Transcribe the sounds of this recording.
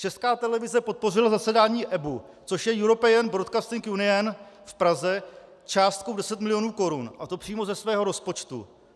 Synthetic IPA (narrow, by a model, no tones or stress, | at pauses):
t͡ʃɛskaːt̪ɛlɛvɪzɛpo̞t̪̚po̞rɪlazasɛdaːɲiːʔɛbu | t͡soʃjɛjuɾo̞pɛənbɾot̪kast̪ɪŋkjunɪɛn | fpɾazɛ | t͡ʃaːst̪kowdɛsɛt̪mɪlɪjo̞nuːko̞ɾunʔat̪o̞pr̝̥iːmo̞zɛsvɛːɦo̞ɾo̞spo̞t͡ʃt̪ṵ